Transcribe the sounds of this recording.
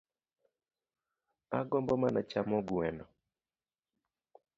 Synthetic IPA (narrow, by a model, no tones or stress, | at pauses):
a̰ɡɔmbɔmanat͡ʃamɔɡwɛnɔ